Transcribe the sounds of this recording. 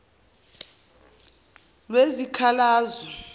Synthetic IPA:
lwezikʰalaːzɔ

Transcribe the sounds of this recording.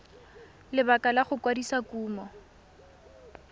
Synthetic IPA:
lɪbakʼalaχʊkwadisakuːmɔ

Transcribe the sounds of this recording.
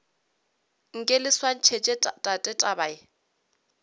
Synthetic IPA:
ŋ̩kʼɪlɪswan̩t͡ʃʰet͡ʃʼetʼatʼɛtʼabaːɪ

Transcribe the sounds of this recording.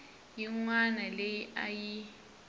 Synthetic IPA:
jiŋwanalejiʔaji

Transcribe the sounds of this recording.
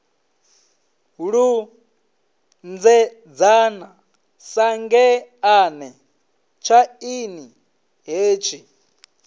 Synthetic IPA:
ɦuɺu | nd͡zɛ | d͡zana | saŋɡɛanɛ | t͡ʃʰaini | ɦeːt͡ʃʰi

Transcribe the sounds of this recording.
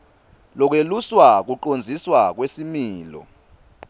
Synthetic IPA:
lɔk̬weluswak̬uǃond͡zʱiswak̬wesimiːlɔ̰

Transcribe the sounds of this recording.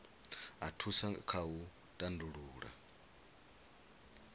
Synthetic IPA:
atʰusakʰau | tʼanduɺuːɺa̰

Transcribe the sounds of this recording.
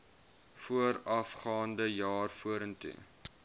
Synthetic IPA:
fuəɾɐfχɑːndəjɑːrfuəɾəntṵ

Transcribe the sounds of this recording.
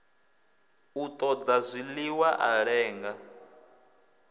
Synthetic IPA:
ut̪ʼɔd̪azʷiliwaʔaɺɛːŋɡa

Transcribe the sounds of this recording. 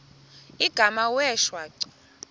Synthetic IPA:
iɡ̥ʱamawɛʃwaːǀɔ̥

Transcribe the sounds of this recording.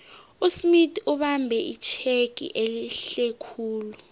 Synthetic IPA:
usmitʰʼuɓambʱɛʔit͡ʃʰeɡ̥ʼʱḭʔeliɬekʰuːlu

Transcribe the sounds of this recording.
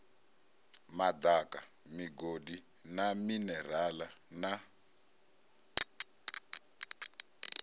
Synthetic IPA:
mad̪aka | miɡodi | naminɛrala | na

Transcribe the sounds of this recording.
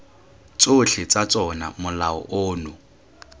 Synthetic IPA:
t͡soɬʰɪt͡sʼat͡sʼɔna̰mʊlaɔ̰ʔoːnʊ

